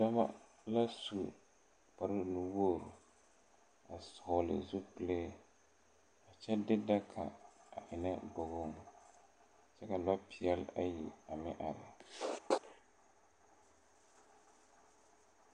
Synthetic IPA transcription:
da˦ma̰˦ | la˦su˨ | pa˨ɾɨ˦nu˨woː˦˨ɾʊ˨ | a˨sʊ˨hʊ˨lɪ̰˨zu˦pɨ˨le˦ | a˨t͡ʃɛ˦dɪ˦da˦kʰa̰˨a˨ʔɪ˨nɛ˦bo˨ɣo˦˨ŋ | t͡ʃɛ˦ka˨la˦pɪ˨ɛ˦la̰˦ji˨a˨mɪ˦ʔa˨ɾɪ̰˨

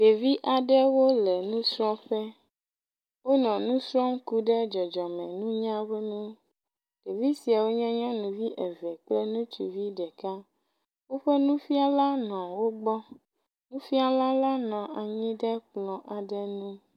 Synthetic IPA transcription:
ɖe˨vi˦ʔa˨ɖɛ˦wo˦lɛ˨nũ˦sɾɔ̃˦ɸe˦ | wo˦nɔ̃˨nũ˦sɾɔ̃˦m̩˦ku˦ɖɛ˦d͡ʒɔ˨d͡ʒɔ˨mɛ̃˨nũ˦ɲã˦we˦nũ˦ | ɖ̥e˨vi˦si˨a˨wo˦ɲɛ̃˦ɲɔ̃˦nũ˨vi˦ʔe˨vɛ˨k͡ple˦nũ˦t͡ʃḭ˨vi˦ɖɛ˨ka˦ | wo˦ɸe˦nũ˦fi˦a˨la˦nɔ̃˨wo˦ɡ͡bɔ˦ | nũ˦fi˦a˦la˦la˦nɔ̃˨a˨ɲĩ˦ɖɛ˦k͡plɔ̃˨ʔa˨ɖɛ˦nũ˦

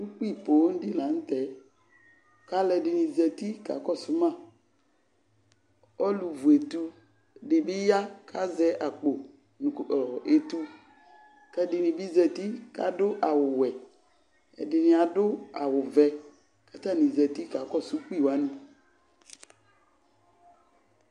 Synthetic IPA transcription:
u˦k͡pi˦˨po˨˦n̩˦dɪ˦la˨˦n̩˦t̪ɛ˨˦ | ka˨˦lɛ˨dɪ˨nɪ̃˨zɛ˨t̪i˦ka̰˨˦kɔ˦˨sʊ˦mã˦˨ | ɔ˦lu˨vu˨e˨t̪u˦˨ | dɪ˨bɪ˦ja˦kʰa˦zɛ˦ʔa˨k͡po˨ | n˨e˨t̪u˦ | kɛ˦dɪ˨nɪ̃˨bɪ˦zɛ˨t̪i˦ka̰˨dʊ˦ʔa˨wʊ˨wɛ˨ | ɛ̰˨dɪ˨nɪ̃˨a˨dʊ˦a˨wʊ˨vɛ˨ | ka˨t̪a˦˨nĩ˨zɛ˨t̪i˦ka˨˦kɔ˦˨su˦ki˦˨wa˨˦nũ˦

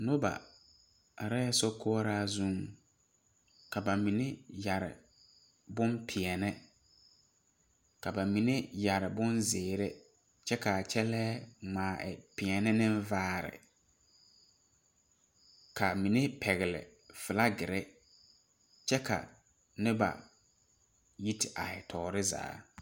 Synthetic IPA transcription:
no˦ba̰˨ | a˨ɾa˦jɛ˦sɔ˦kʰɔ˦ɔ˦ɾaː˦zũ˦ŋ | ka˨ba˨mĩ˨ne˦ja˨ɾɪ̰˨ | bʊ̃˦mpʰɪ˨ɛ˨nɛ˦ | ka˨ba˨mĩ˨ne˦ja˨ɾɪ˨bʊ˦nzɪː˨ɾe˦ | t͡ʃɛ˦ka˨a˨t͡ʃɛ˦lɛː˦ŋ͡maː˨ʔɛ̰˨pɪ˨ɛ˨nɪ˦nɪ˦nvaː˦ɾɪ̰˨ | kʰa˨mi˨ne˦pʰɛ˨ɣɪ˨lɪ̰˨ | fɪ˨la˦ɡɪ˨ɾɛ˦ | t͡ʃɛ˦ka̰˨ | nɪ˦ba̰˨ | ji˦tɪ˨ʔa̰˨ɛ˨tʰɔː˨ɾɪ˦za̰ː˦

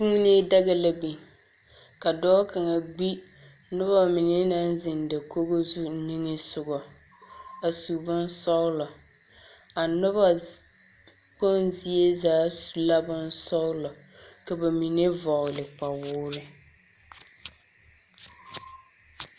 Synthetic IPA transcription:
si˦ŋ˦ne˦da˦ɣa˦la˨bi˨ | ka˨dɔː˦ka˨ŋa˨ɡ͡bi˦ | nʊ˦βa˦mɪ˨nɪ˦na˦n˦zɪ˨ndɪ˨ko˦ɡo˦zu˦ni˦ŋɪ˦sʊ˨ɡɔ˨ | a˨su˨bʊ˦n˦sɔ˦ɣlɔ˨ | a˨nʊ˦βa˦ | k͡po˦nzi˦e˦zaː˨˦su˨la˦bʊ˦n˦sɔ˦ɣlɔ˨ | ka˨ba˨mi˨ne˦vɔ˨lɪ˨k͡pa˨wʊː˦ɾɪ˦

